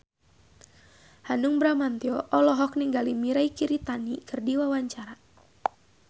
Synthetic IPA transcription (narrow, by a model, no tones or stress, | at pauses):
hanuŋbɾamant̪iɔʔɔlɔɦɔk̚niŋɡalimiɾaikiɾit̪anikɨrdiwawaɲt͡ʃaɾa